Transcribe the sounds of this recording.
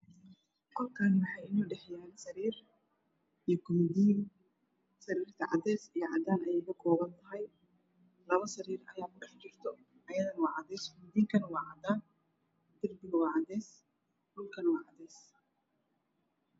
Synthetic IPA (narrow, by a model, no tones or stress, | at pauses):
kʰɔlkʰaːnmɑħɑjɪnuːɖɛħjaːnsɐɾiːr | ʔijɞkʰʊmɪd̪iːn | sɐɾiːrt̪ʰɐʕɑd̪ɛːsijɞʕɑ̰d̪aːnɐjɛːkʰɐkʰɔːβɐnt̪ʰɐɦɛj | lɐβɐsɐɾiːrɐ̰jaːmʊɖɐħt͡ʃɪrt̪ʰɔ | ʔɐjɐðɐnɐwɑːʕɑd̪ɛːskʰʊmɪd̪iːŋkʰɐnɐwɑːʕɑd̪aːn | d̪̥ɐrbɪɣɐwɑːʕɑd̪ɛːs | hʊlkʰɐnɐwɑːʕɑd̪ɛːs